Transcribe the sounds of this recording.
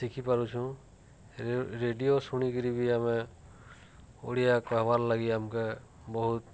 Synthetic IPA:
sikʰipaɾut͡ʃʰũ | ɾeɖijosuɽ̃ikiɾibʱiamɛ | o̰ɽijakaɦbaɾlaɡiamkɛ | bɔɦut̪̚

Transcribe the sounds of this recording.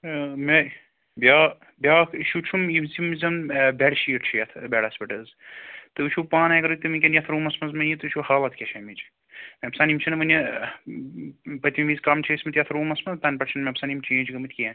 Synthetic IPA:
me | bʲaː | bʲaːkiʃʰut͡ʃʰumimzimizʲɐnbeɽʃiːʈt͡ʃʰijɐt̪ʰbʲɛɽɐspʲiʈɐz | t̪ɨit͡ʃʰupaːnɐjɡɐɾɨt̪imikʲenjɐt̪ʰɾuːmɐsmɐzmɐnjit̪ɨʃʰuhaːlɐt̪̚ʰkʲeʃʰɐːmit͡ʃi | mʲeɐpsaːnʲimt͡ʃʰinʋɐnʲɐ | pɐt̪ʲmiʋizʲkɐmt͡ʃʰisʲmɐt̪ʲjɐt̪ʰɾuːmɐsmɐzt̪ɐnʲpɐʈt͡ʃʰɐnmʲeɐpsaːnimt͡ʃʰẽːd͡ʒɡɐmɨt̪ʰʲkʲiɐnʲ

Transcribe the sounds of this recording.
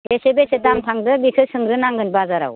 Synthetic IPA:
ɡesebesetamtʰaŋdɯbikʰɯsɯŋɾɯnaŋɡɯnbaazaɾa̰w

